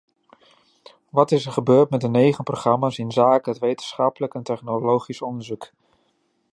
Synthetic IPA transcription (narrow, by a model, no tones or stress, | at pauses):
ʋɑtɪsəɹχəbøːɹtmɛt̚dənejχənproχrɑmaːsɪnzaːkəɦətʋejtənsχɑpələkɛntɛχnolowχisɔndəɹzuk